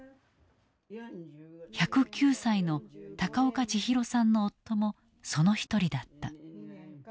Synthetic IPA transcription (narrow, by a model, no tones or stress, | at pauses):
çakɯ̟kʲɨːsaino̞t̪akaokat͡ɕiçiɾo̞sãnːo̞ːt̪ːo̞mo̞ | so̞no̞çi̥t̪o̞ɾʲid̪at̪ːa